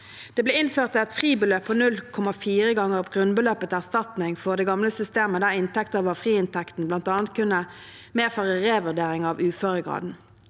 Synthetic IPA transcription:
d̪̥eːbleːɪnføːʁt̪ʰːɪɛt̪fʁiːbəløːpʰoːnʉlkʰɔmɑfiːʁəɡɑŋəʁɔpɡʁʉnbəløːpət̪æʁst̪ɑt̪nɪŋfoːʁd̪eːɡɑmləsʏst̪eːməd̪æːʁɪnt̪ʰɛkt̪əʋəfʁiːɪnt̪ʰɛkt̪n̩blɑnt̪ɑːnt̪̚kʰʉnːə | meːʁføːʁəʁeːʋʉʁd̪eːʁɪŋɑʋʉːføːʁəɡʁɑ̰ːd̪n̩

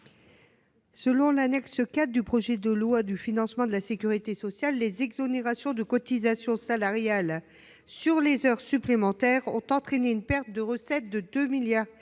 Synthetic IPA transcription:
səlɔ̃lanɛksəkat̪̚d̪ypχɔʒɛd̪əlwad̪yfinɑ̃smɑ̃d̪əlasekʲyʁit̪esɔsjalːezɛɡzɔneʁasjɔ̃d̪əkɔt̪izasjɔ̃salaʁjal | syʁlezœʁsyplemɑ̃t̪ɛʁɔ̰̃t̪ɑ̃t̪χɛneynpɛʁt̪̚d̪əʁəsɛt̪̚d̪əd̪ømiljaːʁ

